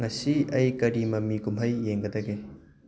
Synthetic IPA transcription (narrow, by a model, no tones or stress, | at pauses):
ŋɐsiɐjkɐɾimɐmiɡumɦɐjːeŋɡɐd̪ɐɡe